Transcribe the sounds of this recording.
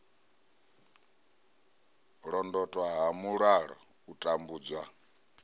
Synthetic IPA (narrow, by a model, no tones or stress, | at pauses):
ɺɔndɔtʼwaɦamuɺaɺɔ̰ | utʼambuːd͡zwa